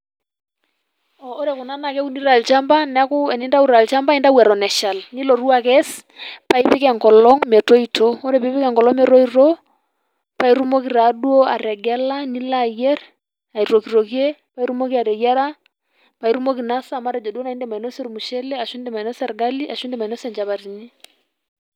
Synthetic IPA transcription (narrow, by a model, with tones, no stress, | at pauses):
ɔː˦ɾɛ˨ku˨na˦na˨kɛ˦u˦ni˦ɾa˨lt͡ʃa˦mba˦na˦kʊ˦ɛ˨ni˦nda˦u˦ɾa˨lt͡ʃa˦mba˦i˦nda˦wɛ˨ɾɔ˨nɛ˨ʃa˨lni˦lɔ˨ɾu˦a˨kɛspa˦i˦pɪ˦kɛ˨ŋkɔ˨lɔ˦ŋmɛ˨to˦i˨tʰo˦ɔ˦ɾɛ˨pi˦pɪ˦kɛ˨ŋkɔ˨lɔ˦ŋmɛ˨ɾo˦iɾo | pa˦iɾu˦mo˦k̬i˨ɾa˨du˦o˦a̰˨ɾɛ˨ɡɛ˦la˦ni˦lajɛ˦ɾ | a˨i˨ɾo˨ki˨ɾo˨ki˦ɛ˦pa˦i˦ɾu˦mo˦ki˦a˨ɾɛ˨ja˦ɾa˦ | pa˨i˦ɾu˦mo˦ki˨na˦saː˦˨ma˦ɾɛ˨d͡ʒɔ˨du˦o˦na˨i˦ndɛ˨ma˨i˨no˦sɛ˦ɾu˨mu˨ʃɛ˦lɛ˦a˨ʃu˦ndɛ˨ma˨i˨nɔ˦sɛ˨ɾɡa˦li˦ʔa˨ʃu˦ndɛ˦ma˨nɔ˦sɛ˨ɲd͡ʒaβa˨ɾi˨ɲi˦